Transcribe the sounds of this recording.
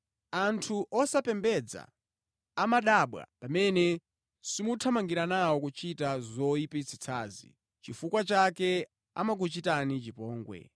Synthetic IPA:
antʰuʔɔsapɛmbɛd͡za̰ | amaɗaːɓwa̰pamɛnɛ | simutʰamaŋɡiɾanawɔkut͡ʃitazɔipit͡sʰi̥t͡sʰaːzḭ | t͡ʃifukwat͡ʃakɛ | a̰mak̬ut͡ʃitanit͡ʃipɔːŋɡwɛ̰

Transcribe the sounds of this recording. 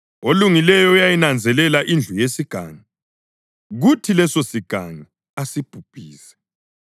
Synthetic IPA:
oluŋilɛjɔjajinand͡zʱɛlɛlaʔind͡ɮʱujesiɡ̥ʱa̰ːŋa | ɣutʰilɛsosiɡ̥ʱa̰ŋa | asib̥ʱub̥ʱiːsɛ̥

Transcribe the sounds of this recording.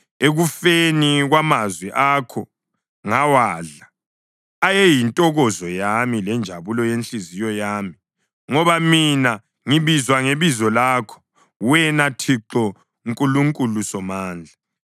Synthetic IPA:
eɣufeniɣwamazwɛʔaːkʰɔ | ŋawaːɮaː | jɛjintʼɔɣɔzɔjamilɛnd͡ʒʱaβulɔjent͡ɬʼizijɔjaːmi | ŋɔβamina | ŋiβizwaŋeβizɔlaːkʰɔ̥ | wɛnatʰiǁɔ | ŋkʼuluŋkʼulusɔmaːnd͡ɮʱa

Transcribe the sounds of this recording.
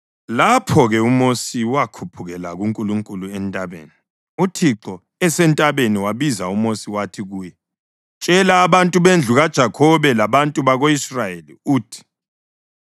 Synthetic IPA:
lapʰɔɣɛumosiwakʰupʰuɣɛlaɣuŋkʼuluŋkʼuluɛntʼaβḛːni | utʰiǁɔ | ɛsɛntʼaβeniwaβizaumosiwatʰiɣuːjɛ | t͡ʃʼɛlaːβantʼuβend͡ɮʱuɣad̥ʒ̥ʱakʰɔβɛlaβantʼuβaɣoisrajelḭuːtʰi̥

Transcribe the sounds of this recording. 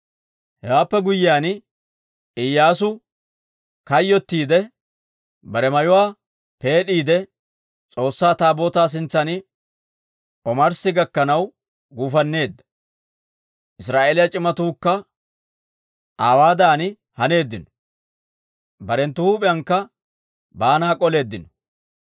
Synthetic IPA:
hɛwaːpːɛɡʊjːɪjaːnɪ | ɪjːaːs̬ʊ | kɐjːɔt̪ːiːd̪ɛ | bɐɾɛmɐjʊwaː | pe̞ːɗiːd̪ɛ | t͡sʼo̞ːsːaːt̪aːbo̞ːt̪aːs̬ɪnt͡sːɐnɪ | ʔɔmɐɾsɪɡɐkːɐnɐw | ɡuːfɐnːe̞ːd̪ːɐ̥ | ʔɪsɾaːʔeːlɪjɐt͡ʃʼɪmɐt̪uːkːɐ | ʔaːwaːd̪aːnɪ | hɐne̞ːd̪ːɪnɔ̥ | bɐɾɛnt̪ʊhuːpʼɪjɐŋkːɐ | baːnaːkʼɔle̞ːd̪ːɪnɔ̥

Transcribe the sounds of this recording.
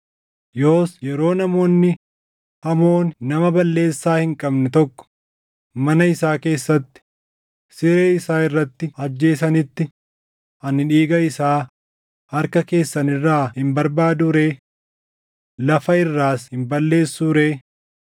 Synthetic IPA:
jo̞ːsjɛɾo̞ːnɐmo̞ːnːɪ | hɐmo̞ːnnɐmɐbɐlːe̞ːsːaːhɪŋkʼɐbnɛt̪ɔkːɔ̥ | mɐnɐɪsaːke̞ːsːɐt̪ːɪ̥ | sɪɾeːɪsaːɪrːɐt̪ːɪɐd͡ʒːe̞ːsɐnɪt̪ːɪ | ɐnːɪᶑiːɡɐɪsaː | ɐɾkɐke̞ːsːɐnɪrːaːhɪmbɐɾbaːd̪uːɾe̞ː | lɐfɐɪrːaːshɪmbɐlːe̞ːsːuːɾe̞ː

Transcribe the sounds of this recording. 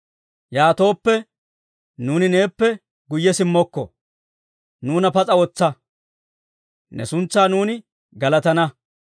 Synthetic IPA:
jaːt̪o̞ːpːɛ | nuːnɪne̞ːpːɛ | ɡʊjːɛsɪmːɔkːɔ̰ | nuːnɐpɐt͡sʼɐwɔt͡sːɐ | nɛ̰sʊnt͡sːaːnuːnɪ | ɡɐlɐt̪ɐnɐ

